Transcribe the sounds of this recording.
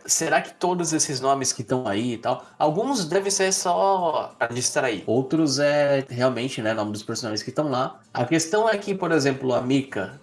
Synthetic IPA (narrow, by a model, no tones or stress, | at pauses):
seɾakɪ̥t̪od̪ʊzesɪznõmɪskɪt̪ɐ̃w̃aiːt̪awawɡũzd̪ɛvẽj̃seɾsɔad͡ʒist̪ɾaḭowt̪ɾʊzɛɦeawmẽnt͡ʃɪnɛnõmɪd̪ʊspeɾsonaʒẽskɪt̪ɐ̃w̃la | ɐ̰kest̪ɐ̃w̃ɛkɪpoɾezẽmplʊɐmikɐ